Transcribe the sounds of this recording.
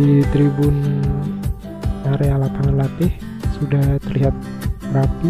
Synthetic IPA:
it̪ɾibʊn | aɾealapaŋəlat̪ɪh | sudaht̪ərliɦat̪̚ | bapi

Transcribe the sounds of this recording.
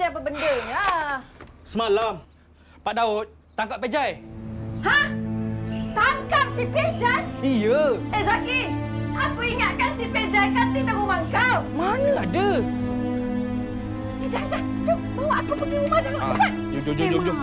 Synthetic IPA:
ajapəbəndəŋa | səmalam | paʔ̚daʊt̪̚ | t̪aŋkap̚ped͡ʒajha | t̪aŋkap̚siped͡ʒajijəɛʔzakiakuiŋat̪̚kansiped͡ʒajkant̪idamumaŋkawmanaladə | idaŋda | d͡ʒo | bawaʔakupəɡiumaduluʔuat̪̚d͡ʒod͡ʒod͡ʒod͡ʒod͡ʒo

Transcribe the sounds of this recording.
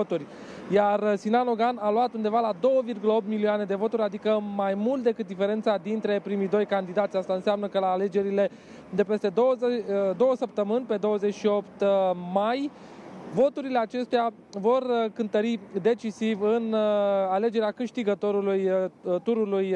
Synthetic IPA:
ot̪urʲ | jarsinano̞ɡanaluat̪und̪e̞valad̪o̞wəvirɡuləo̞p̚t̪miliane̞d̪e̞vo̞t̪uɾʲad̪ikəmajmult̪̚d̪e̞kɨt̪̚d̪ife̞ɾe̞nt̪sad̪int̪ɾe̞pɾimijd̪o̞jkand̪id̪at̪sʲast̪aɨnseamnəkəlaːle̞d͡ʒe̞ɾile̞ | d̪e̞pe̞st̪e̞d̪od̪o̞wəsəp̚t̪əmɨnʲpe̞d̪o̞wəze̞t͡ʃʃio̞pt̪maj | vo̞t̪uɾile̞at͡ʃe̞st̪ea | vo̞rkɨnt̪əɾid̪e̞t͡ʃisivɨnale̞d͡ʒe̞ɾeakɨʃt̪iɡət̪o̞ɾulujt̪uɾuluj

